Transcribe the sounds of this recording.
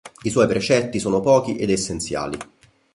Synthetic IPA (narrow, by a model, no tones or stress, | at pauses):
iswɔjpɾet͡ʃɛt̪ːisoːnopɔːk̟iʔed̪esːent̪sja̰ːlḭ